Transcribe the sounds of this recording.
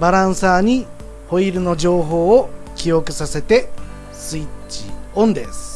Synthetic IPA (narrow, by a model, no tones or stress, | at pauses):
baɾãɰ̃saːɲ̟i | ho̞iɾɯ̟no̞ʑo̞ːɦo̞ːkʲijo̞kɯ̟sase̞t̪e̞ | sɨit͡ɕḭõ̞nd̪e̞̰sɨ̥